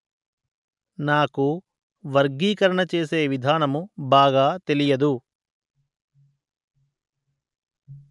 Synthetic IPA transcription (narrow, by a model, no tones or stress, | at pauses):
naːku | ʋɐɾɡiːkɐɾɐɳɐt͡ʃe̞ːse̞ːʋid̪ʱaːnɐmubaːɡaːt̪e̞lijɐd̪u